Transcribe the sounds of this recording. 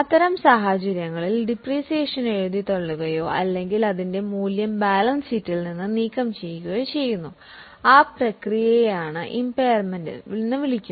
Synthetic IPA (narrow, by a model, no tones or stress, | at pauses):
ɐt̪ːɐɾɐmsaːɦat͡ɕɐɾjɐŋːɐɭilɖipriːsieːʂɐne̞ɻuðit̪oɭːuɣɐjo̞ːʔɐlːe̞ŋɡilɐðinde̞muːljɐmbaːlɐnsitːilninːɨniːkːɐmt͡ɕe̞jkuɣɐjot͡ɕe̞jːunːu | aːprɐkrijɐjaːɳɨʔimpɐjɐrmendɨ̰inːɨʋiɭikʲːu